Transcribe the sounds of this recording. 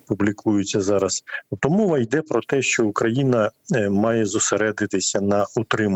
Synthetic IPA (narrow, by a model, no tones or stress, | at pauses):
publʲikʰujʊt͡sʲːɐzɑɾɐst̪ɔmɔʋɐjd̪ɛpɾɔt̪ɛʃt͡ʃɔʊkɾɐjinɐmɑjɛzʊseɾɛd̪ɪt̪ɪsʲɐnɐut̪ɾɪm